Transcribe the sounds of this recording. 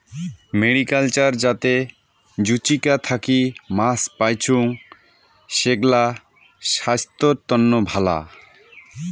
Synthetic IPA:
meɽikalt͡ɕaɾd͡ʑat̪e | d͡ʑut͡ɕikat̪ʰakimaspajt͡ɕʰuŋ | ʃeɡla | ʃast̪oɾt̪ɔnːobʱala̰

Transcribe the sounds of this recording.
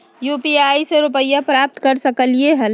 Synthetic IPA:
juːpiaːjseɾupəijapɾaːp̚t̪kəɾsəkəlieɦəl

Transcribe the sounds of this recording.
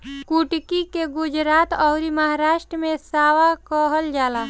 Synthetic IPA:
kuʈkikeɡʊd͡ʒɾaːt̪ɔʊɾiməɦaɾaːʃʈɾəmẽsaːwakɔɦəld͡ʒaːlaː

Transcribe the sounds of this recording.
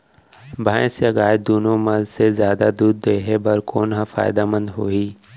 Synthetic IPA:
bʱaːẽsjɐɡaːjd̪uːnomɐlzsezjaːd̪ad̪uːd̪ːeɦebɐɾkoːnɦɐ̃fa̰ːɪd̪amə̃nd̪ɦoːiː

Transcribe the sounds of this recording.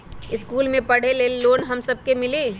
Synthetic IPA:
ɪskuːlmẽpəɽ̤elelːoːnɦəmsəb̚ʱkemɪliː

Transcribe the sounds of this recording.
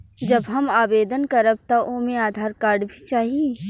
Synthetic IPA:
d͡ʒɐbɦɐmaːbeːd̪ənkɐɾəb̚t̪aʔoːmẽaːd̪ʱaːɾkaːɾɖbʱit͡ʃaːɦie

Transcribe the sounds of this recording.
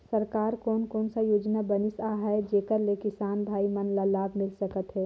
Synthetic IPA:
sɐɾkaːɾkɔːnkɔːnsajoːd͡ʒnabənɪsaːɦɛd͡ʒeːkəɾlekɪsaːnbʱaːimɐnlalaːbʱmɪlsɐkət̪ɦɛː

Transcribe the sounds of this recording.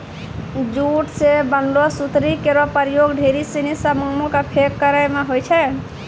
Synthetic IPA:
d͡ʒuʈsebənɖosut̪ɾikeɾopəɾjoɡɖʱeɾisinisəmomõkapʰekːəɾəjmeɦojt͡ʃʰɛ

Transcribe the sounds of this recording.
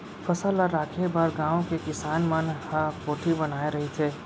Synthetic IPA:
fʰəsəlːaɾːaːkʰebəɾɡãːõkekɪsaːnmənhəkoːʈʰibənaːeɾɐɦit̪ʰeː

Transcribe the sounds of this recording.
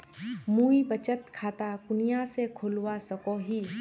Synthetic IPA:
mũːibət͡ʃət̪kʰaːt̪akʊnijasekʰʊlwasəkoɦiː

